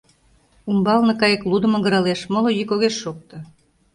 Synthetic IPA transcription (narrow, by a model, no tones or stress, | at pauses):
umbɑlnɤ̆kɑjeklud̪ə̆məɣə̆ɾɑleʃmolojykoɣeʃːok̚t̪ɤ̆